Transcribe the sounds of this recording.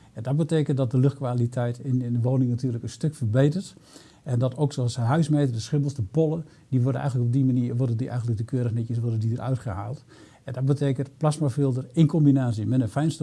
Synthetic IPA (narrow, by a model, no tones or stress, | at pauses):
ɛndɔt̚bəteːkənt̚dɔt̚dəløxt̚kʋaːlitʰɛjtɪnɪndəʋoːnɪŋnatyːrləkənstøkfərbejtərt | ɛndɔtʰowksoalˠsəɦœɥsmeːtərdəsχɪmbəl̩ˠsdəpolˠə | diʋɔrdənʔɛjɣənləkɔb̚dimaniərʋɔrdəndiʔɛ̰jɣəntlək̚dəkʰøːɾəxnɛtjəsʋɔrdəndidərœ̰ɥtχəha̰ːlˠt | ɛndɔt̚bəteːkəntplasmafɪlˠdərɪnkɔmbinaːsjəmɛnənfɛjnst